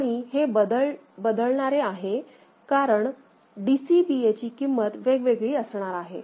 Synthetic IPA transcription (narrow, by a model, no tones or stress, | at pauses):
aɽ̃iɦebəd̪əɭ | bəd̪əɭɳaɾeaɦe | kaɾəɳ | ɖisibiet͡ɕiːkimːət̪ʋeɡʋeɡɭiːəsɳaɾaɦḛ